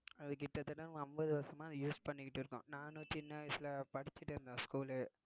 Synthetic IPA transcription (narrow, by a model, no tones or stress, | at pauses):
ɐðɯk̬ɪʈːɐt̪ːɐʈːãnɐmbɐðɯʋɐɾsɐmãːɐðɐjuːspɐɳːɪkːɪʈːɪɾɯkːʊ̰̃nãːnũt͡ʃɪnːɐʋɐɪsɪlɐpɐɽɪt͡ʃːɪʈːɪɾɯnd̪ãːskuːl